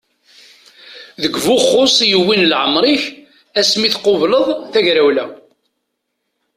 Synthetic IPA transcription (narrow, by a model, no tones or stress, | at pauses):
ðəɡvuχːosˤjəwːinlʕəmɾˤiç | æsmiθqovləðˤθæʝɾæwlæ